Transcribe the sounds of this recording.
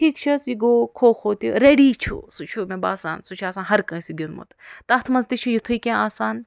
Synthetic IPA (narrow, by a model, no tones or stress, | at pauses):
kʰiːkt͡ʃʰɐsjiɡoːkʰoːxoːt̪uɾeɖiːt͡ʃʰṵsut͡ʃʰumebaːsa̰ːnsut͡ʃʰaːsaːnɦɐɾkɐ̃ːsiɡʲilmo̰t̪t̪ɐht̪ʰmɐsd̪it͡ʃʰujut̪ʰujkʲẽːaːsaːn